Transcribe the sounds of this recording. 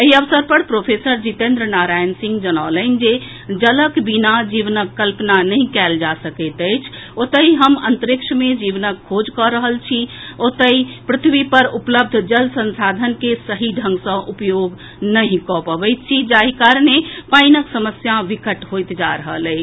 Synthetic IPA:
eɦiəʋsəɾpəɾpɾopʰesəɾd͡ʒit̪ẽnd̪ɾnaɾajənsĩŋɡd͡ʒənaləɪnd͡ʒe | d͡ʒələkbinad͡ʒiʋnəkːəlpnanəɦĩkɛld͡ʒasəkət̪ət͡ʃʰ | ot̪əɦiɦəmə̰nt̪əɾɪkʃmẽd͡ʒiʋnəkʰːod͡ʒkɔɾəɦəlt͡ʃʰiot̪əipɾɪt̪ʰʋipəɾupləb̚d̪ʱd͡ʒəlsənsad̪ʱənkesəɦiɖʱə̃ŋɡsə̃ʔupjoɡ | nəɦĩkɔpəbəjt̪̚t͡ʃʰid͡ʒaɦikaɾnepaɪnəksəməsjaʋikəʈɦojt̪d͡ʒaɾəɦələi

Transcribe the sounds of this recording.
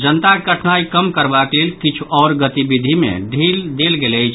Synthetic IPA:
d͡ʒənt̪aɡəʈʰnaikəmkəɾbaklelkit͡ʃʰuɔɾɡət̪ibid̪ʱimḛɖʱild̪elɡeləjt͡ʃʰ

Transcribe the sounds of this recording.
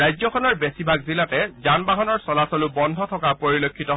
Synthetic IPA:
ajzɔkʰɔnɔɹbesibʱaɡzilatɛzanbaɦɔnɔɹsɔlasɔlʊbɔndʱɔtʰɔkapoɹilokʰːitɔ

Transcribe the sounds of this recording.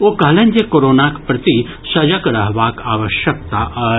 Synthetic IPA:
okɐɦlɐ̃nd͡ʒjekoɾoːnakpɾɐt̪i | sɐd͡ʒɐkɾɐɦʋaːkaːʋəʃjək̚t̪aʔɐ

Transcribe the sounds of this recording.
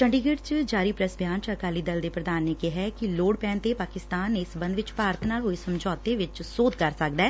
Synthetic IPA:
t͡ʃəɳɖiɡɪɖt͡ʃd͡ʒaːɾiːpɾəsbʱjaːnt͡ʃəkaːliːd̪əld̪eːpɾəd̪aːnːekeɦɛkiloːɽpɛ̃ːnt̪epaːkɪst̪aːnɪsbə̃nd̪ʋɪt͡ʃpaːɾət̪ʰnaːlɦoːesəmd͡ʒɔːt̪eʋɪt͡ʃsoːd̪kəɾsək̚d̪ɛː

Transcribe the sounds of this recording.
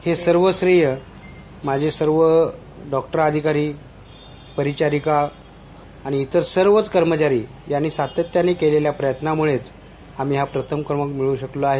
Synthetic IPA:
hesəɾʋəsɾijə | mad͡ʑʱesəɾʋə | ɖɔk̚ʈəɾad̪ʱikaɾiː | pəɾit͡ɕaɾikaː | ɽ̃iːt̪əɾsəɾʋət͡skəɾmət͡ɕaɾiː | janːiːsat̪ət̪ːjanekeleljapɾəjət̪namuɭet͡s | am̤iːɦapɾət̪ʰəmkəɾməkmiɭũɕəkloaɦe

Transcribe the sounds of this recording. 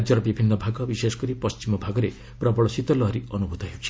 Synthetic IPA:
d͡ʒɔɾɔbibʱinːɔbʱaɡɔbisesɔ̥kɔɾipɔst͡ʃimɔbʱaɡɔɾe | pɾɔbɔɭɔsit̪ɔlɔɦɾiʌnubʱud̪ʱɔɦewt͡ʃʰi̥

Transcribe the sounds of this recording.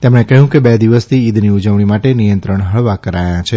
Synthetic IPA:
t̪emɽ̃ekəɦjũkebed̪iʋəst̪ʰiːd̪ʱniud͡ʒəʋɽ̃imaʈenijənt̪ɾəɳɦəɭʋakəɾajãt͡ʃʰe

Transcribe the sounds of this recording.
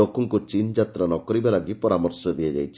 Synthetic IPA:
okɔŋkut͡ʃind͡ʒat̪ɾanɔkɔɾibaɾaɡipɔɾamɔɾsɔd̪iad͡ʒa̰jt͡ʃʰi̥

